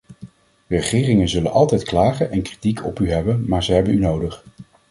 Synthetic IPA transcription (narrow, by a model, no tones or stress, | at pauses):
ərəχɪːrɪŋənzɵlənʔɑlˠtɛjtklaːχənʔɛnkri̥tikʰɔpyɦɛbənmaːɹzəɦɛbənynowdəχ